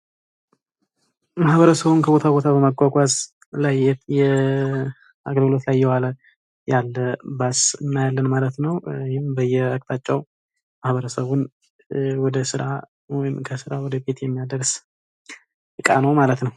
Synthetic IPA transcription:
mahβəɾəsəβunkʰəbo̞t̪ʰabo̞t̪ʰabəməɡʼʷakʷʼaz | lajɛjɛ | aɡəlɡɨlo̞t̪lajːɛwalə | jalːəbasɨnːajalːənmalət̪nəwjhɪmbəjːɛək̚ʼt̪ʰat͡ʃʼːɛw | mahβəɾəsəβun | wɔd̪əsɨɾa | wɔjɪmkʰəsɨɾawɔd̪əbe̞t̪jɛmːijad̪əɾs | ɨkʼanəwmalət̪nəw

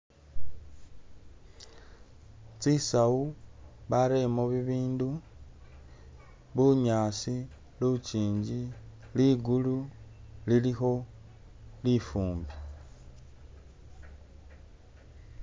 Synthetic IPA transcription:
t͡sisauβaɾemoβiβiːndu | βuɲaːsi | lut͡ʃiːɲɟi | liɡululilixo̞ | lifuːmbe

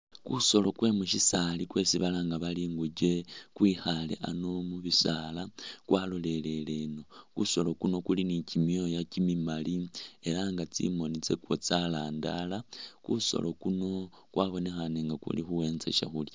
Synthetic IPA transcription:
kṵso̞lo̞kwe̞ːmuʃisalikwe̞ːsiβalaːŋɡaβaliːŋɡuɟe̞kwiːxalḛʔa̰nomuβisalakwʔalo̞le̞le̞le̞no̞kuso̞lo̞kuno̞kulinicimjo̞jacimimalie̞ɾaŋɡat͡sḭmo̞nit͡se̞kwot͡salaːnda̰lakuso̞̰lo̞kuno̞ | kwaβo̞ne̞xaneːŋɡakṵlixuwe̞ːnzḛʃa̰xulja

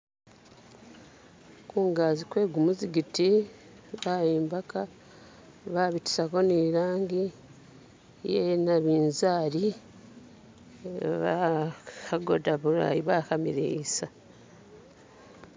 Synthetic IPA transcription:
kuːŋɡaːzikwe̞ːɡumuziɡiti | βajiːmbaka | βaːβiti̥sako̞niːɾaːŋɡi | jenaβiːnzaːɾi | βaxaɡo̰daβuɾa̰jiβaːkamḭɾḛisa

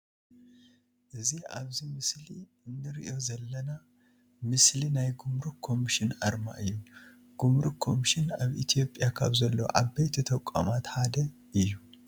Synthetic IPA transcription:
ʔɨzia̰βzimɨsli | ɨnːɨɾiʔo̞zɐlːɐna | mɨslinajɡumɾukʰo̞miʃɪnʕaɾma̰ʔɨjːun | ɡ̥umɾukʰo̞miʃɪnaβʔit̪ʰijo̞pʼːjakʰaβzɐlːɐo̰ʕaβbejt̪ʰɐt̪ʰɐkʷʼːa̰mat̪ħad̪ɐ | ɨjːu

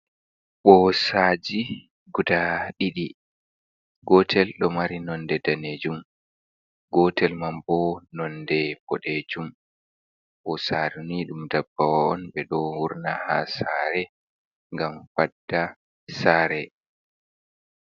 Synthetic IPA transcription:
ɓɔsaːd͡ʒi | ɡudaɗiɗi | ɡɔtʰɛlɗɔmaɾinɔndɛdaned͡ʒum | ɡɔtɛlmambɔnɔndɛbɔɗed͡ʒum | ɓɔsaɾuniɗumdabːawaɔnɓɛɗɔwuɾnahasaɾɛ | ŋɡamfadːa | saːɾɛ

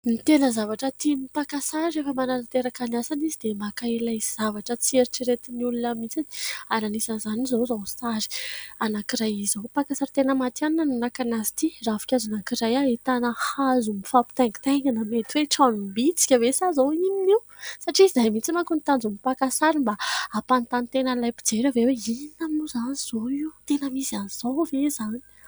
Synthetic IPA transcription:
nit̪enəzavaʈ͡ʂət̪imipakasaɾirefəmanaɾat̪eɾakaniasanizid̪emakaelaz̥avaʈ͡ʂət͡sieɾiʈ͡ʂiɾet̪iniulunəmit͡sad̪eananisanzanizozawsaɾi̥anakiɾajizopakasaɾit̪enəmat̪aninananakanazi̥t̪irafi̥kʲazanakiɾajaet̪anəhazumifapi̥t̪ɛŋɡt̪aŋɡanəmet̪iweʈ͡ʂanimbit͡si̥kʲəvesazowinini | saʈ͡ʂiizajmit͡simakunit̪and͡zumipakasaɾimbaapant̪ant̪enalajpi̥d͡zeɾəveweininamuzaniz̥oiwt̪enəmisianiz̥ovezani̥

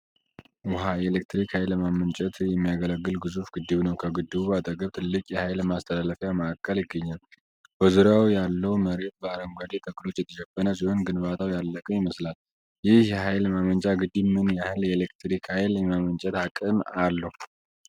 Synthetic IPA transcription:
wʊɦaelekt̪ɾikhajlmamənt͡ʃʼɛt̪ʰjɛmːijaɡələɡːɨlɡɨzufɡ̥ɨd̪ːɨβnəwkʰəɡɨd̪ːɨβubat̪ʼəɡəβt̪ʰɨlːɨkʼjɛhajlmast̪ʰəlaləfjaməːkʼːəljɪɡːəɲːal | b̥əzuɾawjalːəwməɾe̞t̪̚bəaɾəŋɡʷad̪et̪ʰʼəɡɨlo̞t͡ʃːjɛt̪ʰəʃɛfːənəs̬iho̞nɡɨnbat̪ʰawjalːəkʼəmɪməslal | jɪhjɛɦajlmamənt͡ʃʼaɡɨd̪ːimɨnjahɨljɛelekt̪ɾikhajljɛmamənt͡ʃʼɛt̪hakʼːɨmalːəhu

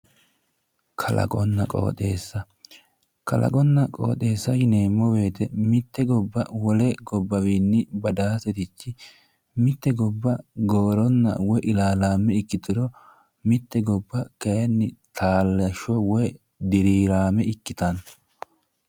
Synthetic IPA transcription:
kʰɐlɐ̰kʼɔnːɐkʼo̰ːt̪ʼe̞ːsːɐ | kɐlɐ̰kʼɔnːɐkʼo̰ːt̪ʼe̞ːsːɐʃɪneːmːɔwe̞ːt̪ɛmɪt̪ːɛɡɔbːɐ̰wɔlɛɡɔbːɐwiːnːɪbɐd̪aːsɛt̪ɪt͡ʃːɪ | mɪt̪ːɛɡɔbːɐɡoːɾɔnːɐ̰wɔʔɪlaːlaːmɛɪkːɪt̪ɪɾɔ | mɪt̪ːɛɡɔbːɐkɐjɐnːɪt̪ʰaːlːɐʃɔwɔj | d̪ɪɾiːɾaːmɛɪkːɪt̪ɐn

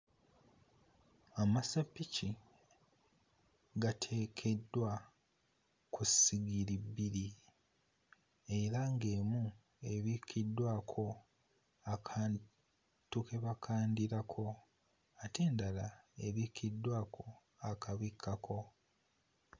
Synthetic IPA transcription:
amasapːici | ɡatʰe̞ːkʰe̞dːwa | kusiɡiɾibːiɾi | e̞ɾaŋɡe̞mu | e̞βikʰidːwaːkʰo̞ | akʰaːn | tukʰe̞βakʰaːndiɾakʰo̞ | ate̞ːndalae̞βikʰidːwaːkʰo̞ | akaβikʰːakʰo̞

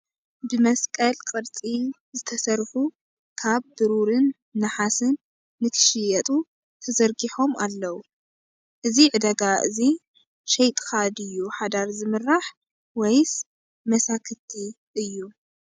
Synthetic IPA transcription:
bɨmɐskʼɐlkʼɨɾt͡sʼi | zɨt̪ʰɐsɐɾxu | kʰaβbɨɾuɾɨnː | ɨħasɨnː | ɨk̪ʰɨ̥ʃɪjɛt̪ʼu | t̪ʰɐzɐɾɡiħo̞malːɐwu | ʔɨziʕɨd̪ɐɡaʔɨ̰zi | ʃɛjt̪ʼxad̪ɨjːuħad̪aɾzɨmɨɾːaħ | wɔjs | mɐsakʰɨt̪ʰi | ʔɨjːu

